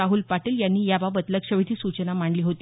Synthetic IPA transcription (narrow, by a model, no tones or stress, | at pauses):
aɦuːlpaʈiːljanːiːjabaʋət̪ləkʂəʋit̪ʰiːsut͡ɕənamaɳɖliːɦot̪i